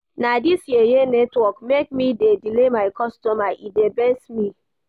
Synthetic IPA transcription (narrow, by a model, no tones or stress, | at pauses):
nadisjijenɛtwɔkmek̚midedilemaɪkɔstɔmaʔidebɛsmi